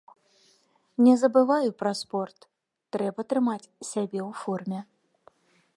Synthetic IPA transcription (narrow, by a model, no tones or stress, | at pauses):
nʲɛzɐbɨvajupɾɐspɔrt̪ː | ɾɛbɐt̪ɾɨmat͡sʲsʲabʲɛwfɔrmʲɛ